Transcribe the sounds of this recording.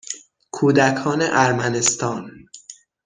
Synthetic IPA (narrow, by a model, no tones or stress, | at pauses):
kʰuːd̪ækʰɒːneʔæɾmænest̪ɒːn